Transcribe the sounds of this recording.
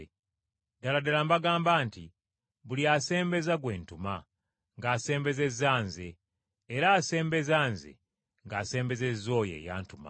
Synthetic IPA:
daladalambaɡaːmbaːnti | βuliase̞ːmbe̞zaɡwe̞ːntuma | ŋɡaːse̞ːmbe̞ze̞zaːnzeː | ɾaːse̞ːmbe̞zaːnzḛ | ŋɡase̞ːmbe̞zezo̞ːje̞̰ːja̰ːntuma̰

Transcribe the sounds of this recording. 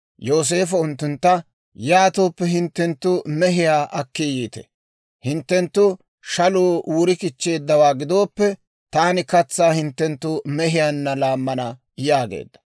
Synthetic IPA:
joːs̬e̞ːfɐʊnt̪ːʊnt̪ːɐ | jaːt̪o̞ːpːɛɦɪnt̪ːɛnt̪ːʊmɛɦɪjaːʔɐkːijiːt̪ɛ̰ | hɪnt̪ːɛnt̪ːʊ | ʃɐloːʔuːɾɪkɪt͡ʃːe̞ːd̪ːɐwaːɡɪd̪o̞ːpːɛ | t̪aːnɪkɐt͡sːaːhɪnt̪ːɛnt̪ːʊmɛɦɪjanːɐlaːmːɐnɐ | jaːɡḛːd̪ːɐ̥

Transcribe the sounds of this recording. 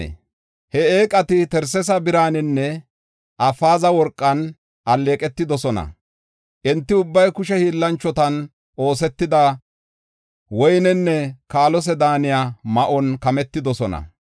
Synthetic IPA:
hɛeːkʼɐt̪ɪt̪ɛɾsɛs̬ɐbɪɾaːnɪnːɛ | ʔɐfaːzɐwɔɾkʼːɐn | ʔɐlːeːkʼɛt̪ːɪd̪ɔsɔnɐ̰ | ʔɛnt̪ːɪʊbːɐjkʊʃɛhiːlːɐnt͡ʃːɔt̪ɐn | ʔo̞ːs̬ɛt̪ːɪd̪ɐ | wɔjnɛnːɛkaːlɔs̬ɛd̪aːnɪjaːmɐʔɔnkɐmɛt̪ːɪd̪ɔsɔnɐ̰

